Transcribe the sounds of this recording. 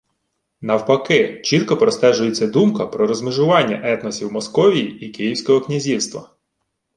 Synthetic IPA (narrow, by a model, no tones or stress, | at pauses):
nɐwpɐkɪt͡ʃit̪kɔpɾɔst̪ɛʒʊjet͡sʲːɐd̪umkɐpɾɔɾɔzmɪʒʊʋɑnʲːɐʔɛt̪nɔsʲiwmɔskɔʋʲijiikɪjiwsʲkɔɦɔknʲizʲiwst̪ʋɐ̰